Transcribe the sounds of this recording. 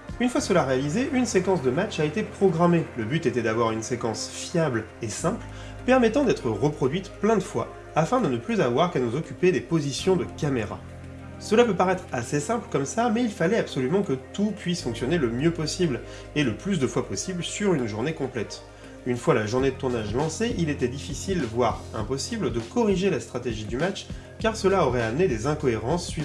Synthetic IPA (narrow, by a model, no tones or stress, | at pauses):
ynfwasəlaʁealizeʔynsekɑ̃sd̪əmat͡ʃaet̪epχɔɡʁameləbyt̪et̪ɛd̪avwaʁynsekɑ̃sfjabl | esɛ̃pl | pɛʁmɛt̪ɑ̃d̪ɛt̪χəʁəpχɔd̪ɥit̪plɛ̃d̪əfwaː | fɛ̃d̪ənəplyzavwaʁkanuzɔkʲyped̪epozisjɔ̃d̪əkameʁa̰ | səlapøpaʁɛt̪χasesɛ̃pləkɔmsamɛilfalɛapsɔlymɑ̃kət̪upɥisfɔ̃ksjɔneləmjøpɔsibl | eləplys̬d̪əfwapɔsiblsyʁynʒuʁnekɔ̃plɛt̪ | ynfwalaʒuʁned̪ət̪uʁnaʒlɑ̃seʔilet̪ɛd̪ifisilvwaʁɛ̰̃pɔsibld̪əkɔʁiʒelast̪χat̪eʒid̪ymat͡ʃ | kaʁsəlaɔʁɛamned̪ezɛ̃kɔeʁɑ̃sːɥi